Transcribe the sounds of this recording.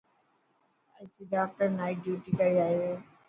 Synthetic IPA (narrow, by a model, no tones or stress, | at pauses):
at͡ʃiɖaːk̚ʈəɾnaːɪɖjuːʈikɐɾiaːiʋeː